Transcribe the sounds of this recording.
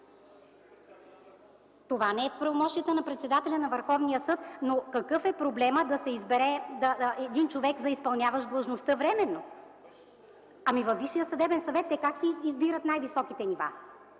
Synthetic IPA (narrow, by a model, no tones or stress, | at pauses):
t̪ovanɛɛfpɾɐvomɔʃt̪ijət̪ənɐpɾɛt̪sɛd̪at̪ɛlʲɐnɐvəɾxɔvnijəsɤt̪nokɐkɤfɛpɾoblɛməd̪ɐsɛizbɛɾɛd̪ɐɛd̪int͡ʃovɛkzɐispɐlˠnʲavəʒd̪lˠəʒnost̪ɤvɾɛmɛnːo | ɐmivɐfːiʃːijəsɐd̪ɛbɛnsɐvɛt̪ːɛkaksɛizbiɾət̪najvisɔkit̪ɛniva̰